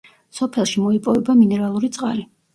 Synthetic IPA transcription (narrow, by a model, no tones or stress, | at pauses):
sɔpʰɛlˠʃimɔipʼɔvɛbaminɛɾalˠuɾit̪sʼqʼa̰li